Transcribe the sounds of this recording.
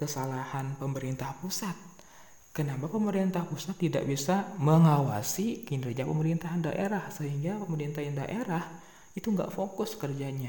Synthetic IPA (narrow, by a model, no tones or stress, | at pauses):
kəsalahanpəməɾint̪ahpusat̪̚ | kənapapəməɾint̪ahpusat̪ːida̰ʔbisaməŋawa̰sikindɾed͡ʒapəməɾint̪aɦanda̰ʔeɾahsəɦiŋɡapəməɾint̪ahjanda̰ʔeɾah | it̪uŋɡa̰ʔfokʊskərd͡ʒaɲa